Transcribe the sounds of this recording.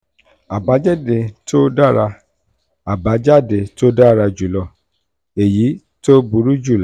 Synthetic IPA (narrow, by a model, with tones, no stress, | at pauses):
a˨ba˨˦d͡ʒɛ˦˨de˨to˦da˦ɾa˧ | a˨ba˨˦d͡ʒa˦˨de˨to˦da˦˨ɾa˧d͡ʒu˨lɔ˧˨ | e˨ji˨˦ | to˦bu˧˦ɾu˦d͡ʒu˦˨la˨˦